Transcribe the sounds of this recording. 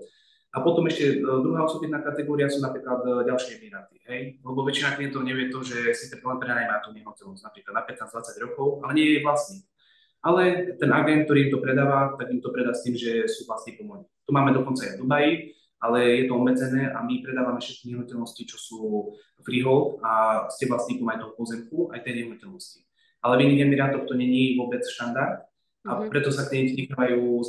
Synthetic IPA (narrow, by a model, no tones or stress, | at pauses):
apɔt̪ɔmɛʃcɛd̪ɾuɦaːɔsɔbit̪naːkat̪ɛɡɔːɾiɪasuːnapɾiːklad̪ɟalʃɪɛɛmiɾaːt̪i̥ɦɛjlɛbɔʋɛt͡ʃinak̪ɛt̪ɔɲɛʋɪɛt̪ɔʒɛsit͡sɛɾɔlɛnpɾɛd̪aːjmat̪uːɲɛɦnɔcɛlnɔz̥ɟnapɾiːklad̪napɛt̪naːd͡zd̪ʋat͡saɟɾɔkɔʊalɛɲɪɛjɛʋlasɲi | alɛt̪ɛnaɡɛnt̪k̚t̪ɔɾiimt̪ɔpɾɛd̪aːʋat̪aɡimt̪ɔpɾɛd̪ast̪iːmʒɛsuːvlasɲiːkɔmɔjit̪umaːmɛd̪ɔkɔnt͡sajd̪ubaji | alɛjɛt̪ɔɔmːɛd͡zɛnɛːʔamipɾɛd̪aːʋamɛfʃɛt̪̚kiɲɛɦnucɛlnɔscit͡ʃɔsuː | fɾiɦɔlascɛʋlasɲiːkumajt̪ɔɦɔpɔzɛmkuajt̪ɛːɲɛɦnucɛlnɔsci | alɛmiɲɛɛmɛɾat̪ɔkt̪ɔɲɛɲiʋʊɔbɛt͡sʃt̪and̪aɾt̪̚ | apɾɛt̪ɔsat̪ɛtikaʋajuː